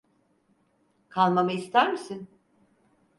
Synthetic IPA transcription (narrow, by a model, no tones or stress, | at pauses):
kʰalˠmamaist̪ʰæɾmisin